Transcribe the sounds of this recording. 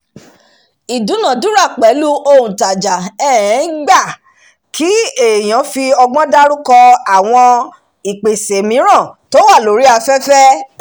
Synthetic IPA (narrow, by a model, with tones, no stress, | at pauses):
i˨dũ˨˦nã˨du˦ɾa˦˨k͡pɛ˨˦lu˦ʔo˧˨ũ˨ta˨d͡ʒa˨ɛ˦˨ɛ̃˨˦ɡ͡ba˦˨ | kʰi˨˦e˦˨j̃ã˨˦fi˧ɔ˧ɡ͡bɔ̃˦da˦ɾu˦kɔ˧a˨w̃ɔ̃˧ | i˨k͡pe˨se˨mĩ˨˦ɾ̃ã˦˨to˦wa˦˨lo˨˦ɾi˦a˧fɛ˦fɛ˦